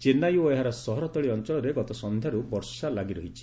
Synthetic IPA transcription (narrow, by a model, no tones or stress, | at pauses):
t͡ʃenajoeɦaɾɔsɔɦɔɾɔt̪ɔɭiɔnt͡ʃɔɭɔɾeɡɔt̪ɔsɔnd̪ʱjaɾubɔɾsalaɡiɾɔɦit͡ʃʰi̥